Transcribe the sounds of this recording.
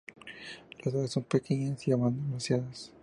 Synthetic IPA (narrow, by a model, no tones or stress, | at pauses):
lazðaðeso̞mpekeɲasiamand̪omasjaðas